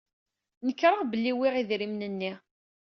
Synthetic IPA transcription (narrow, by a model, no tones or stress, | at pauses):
nəkːɾˤaʁbəlːiwiʁiðɾimnənːi